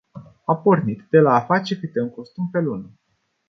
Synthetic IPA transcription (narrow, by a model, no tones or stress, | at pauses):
apornit̪d̪e̞laːfat͡ʃekit̪eŋkost̪umpelunə